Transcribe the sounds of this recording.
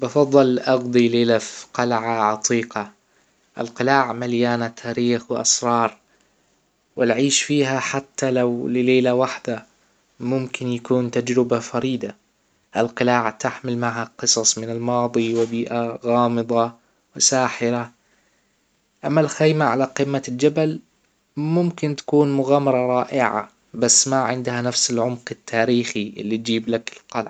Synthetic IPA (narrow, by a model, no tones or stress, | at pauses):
bɑfɑðˤːɨlʔɑɡd̪ˤileːlafqɑlʕaʕɑt̪ˤʰiːqɑ | ʔɪ̰lqɪlaːʕmaljaːnat̪ʰaːɾiːxwɪʔɑ̰sɾˤɑːɾˤ | wɪlʕiːʃfiːɦaħat̪ʰːalawlɪleːlawaħd̪a | mʊmkɪnjakuːnt̪ad͡ʒɾɪbafɑɾiːd̪a | ʔɪlqɪlaːʕat̪aħmɪlmaʕhaqɨsˤɑsˤmɪnɪlmɑːðˤiwɪbiːʔaɣɑːmɨðˤɑ | wɪsaːħɪɾa | ʔamːalxajmaʕalaqɪmːald͡ʒabal | mʊmkɪnt̪ḁkuːnmʊɣaːmːɑɾˤɑɾˤɑːʔɪʕa̰ | basːmaʕɪnd̪hanafsɪlʕʊmqɪt̪ʰːaːɾiːxiʔɪ̰lːit̪̚d͡ʒiːblakɪlqɑlʕ